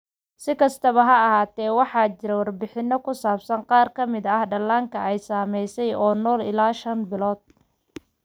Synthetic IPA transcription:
sɪkʰɐst̪ʰɐβɐɦɐːɦaːt̪ʰɛːwɑħɑːt͡ʃɪɾɛwɐrbɪħɪnːɔkʰʊsaːbsɐnqɑːrkʰɐmɪd̪ɐhɖɐlːaːŋkʰɐʔɛjsaːmɛjsɛjɔːnɔːlɪ̰laːʃɐnbɪlɔːd̪̥̚

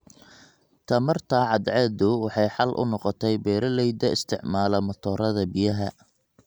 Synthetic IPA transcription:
t̪ʰɐmɐrt̪ʰaːʕɑd̪ʕɛd̪ʊwɑħɑjħɑlʔʊ̰nɔqɔt̪ʰɛjbɛːɾɐlɛjd̪ɐɪst̪ʰɪʕmaːlɐmɐt̪ʰɔːɾɐðɐbɪjɐɦɐ

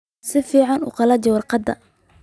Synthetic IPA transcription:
sɪfiːʕɑnṵːqɑlɐd͡ʒɛwɑrqɑd̪ːɐ̰

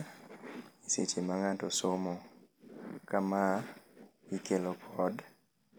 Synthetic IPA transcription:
iset͡ʃemaŋatɔsomo | kama | ikelokʰɔd

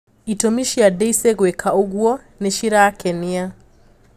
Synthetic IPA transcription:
itomiʃiadeiseɣwekʰaoɣwɔ | neʃiɾakʰɛnia

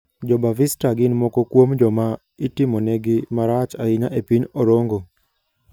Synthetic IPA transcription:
d͡ʒɔbavistaɡɪnmɔkɔkwomd͡ʒɔma | itimonɛɡɪmaɾat͡ʃaiɲaʔepinɔɾoŋɡo

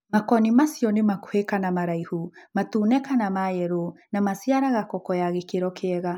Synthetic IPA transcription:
makɔnimasjɔnemako̥hekanamaɾaihumatunɛkanamajɛɾonamasiaɾaɣakɔkɔjaɣekeɾɔkeɛɣa

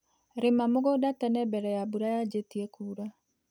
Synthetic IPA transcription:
ɾemamoɣodatɛnɛbɛɾɛjabuɾajad͡ʒetiɛkuːɾa

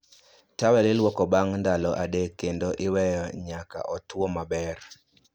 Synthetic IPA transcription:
tawɛlɪlwɔkɔbaŋndalɔʔadekːendoʔɪwɛjɔɲaka̰ʔɔtwɔmabɛr

